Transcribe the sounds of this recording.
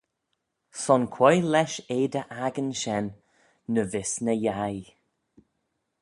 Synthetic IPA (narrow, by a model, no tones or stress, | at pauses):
sɔnkʰwɔjlɛʃeːd̪əʔaɡənʃɛnː | əvɪsnəjaj